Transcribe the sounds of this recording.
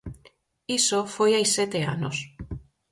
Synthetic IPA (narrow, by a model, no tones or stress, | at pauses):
isofojajset̪eano̰s